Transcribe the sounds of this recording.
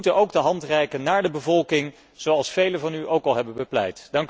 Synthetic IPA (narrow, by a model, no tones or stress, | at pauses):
utənʔowɡdəɦɑntrɛjkənːaːɹdəbəvɔlˠkɪŋ | z̥owɑlˠsfejləvɑnyʔowkɑlˠɦɛbənbəplɛ̰jtdɑŋk